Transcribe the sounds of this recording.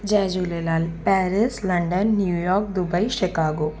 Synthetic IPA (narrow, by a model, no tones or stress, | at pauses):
d͡ʒɛːd͡ʒulelaːlpɛːɾɪslɐɳɖənːjuːjɔːɾk̚d̪ʊbəiʃɪkaːɡoː